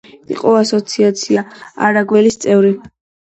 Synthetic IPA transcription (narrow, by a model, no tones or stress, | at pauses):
ḭqʼɔasɔt̪sʰiat̪sʰiaa̰ɾaɡwɛlist̪sʼɛvɾi